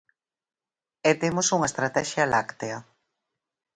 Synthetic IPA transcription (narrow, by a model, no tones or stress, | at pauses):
et̪emosuŋɐest̪ɾat̪ɛʃjalakt̪eɐ